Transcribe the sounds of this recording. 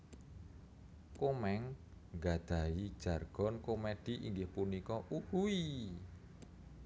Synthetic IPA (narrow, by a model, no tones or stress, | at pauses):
komɛŋ | ŋɡad̪̥a̤id̥ʒ̥a̤rɡ̥ɔ̤nkomed̪̥i̤ʔḭŋɡɪhpunikɔʔuhui